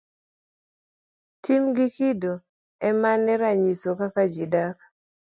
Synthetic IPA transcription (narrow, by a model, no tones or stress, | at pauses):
tʰimɡikido | ɛmanɛɾaɲisokakad͡ʒidaka